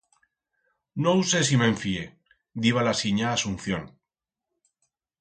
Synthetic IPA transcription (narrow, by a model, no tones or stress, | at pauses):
nouses̬imẽ̞ɱfie | d̪iβ̞alasiɲaːsun̟θjon